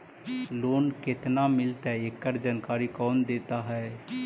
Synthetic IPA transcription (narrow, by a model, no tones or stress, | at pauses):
loːnket̪namɪlt̪ɛekːəɾd͡ʒankaːɾikɔːnd̪eːt̪aɦɛː